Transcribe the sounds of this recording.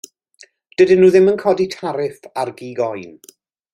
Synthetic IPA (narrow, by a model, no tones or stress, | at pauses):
d̥ədɪnːuːðɪmənkʰɔditʰaɾɪfarɡiːɡɔjn